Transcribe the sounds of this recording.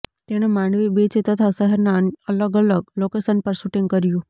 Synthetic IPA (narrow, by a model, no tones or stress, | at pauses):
t̪eɽ̃emãːɳɖʋibet͡ʃet̪ət̪ʰasəɦəɾnãələɡələɡ̚loːkesənpəɾsʊʈĩŋɡ̚kəɾijũ